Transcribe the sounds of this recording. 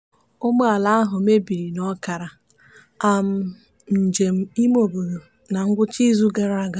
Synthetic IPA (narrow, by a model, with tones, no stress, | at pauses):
ʊ˦mo˦a˨la˦a˦ɦʊ˨me˦bi˨ɾi˨nɔ˦ka˨ɾa˨ | a˦m̩˦ | n̩˨d͡ʒe˨m̩˦i˦mo˨bu˨ɾu˨ | na˨ŋ̩˦ɡʷʊ˦t͡ʃi˦zu˦ɡa˦ɾa˦˨ɡa˦